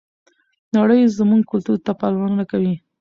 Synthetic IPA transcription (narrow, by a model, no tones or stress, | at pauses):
naɽəjzmuŋɡ̚kʊlt̪uɾt̪apɑlawɑnənakawi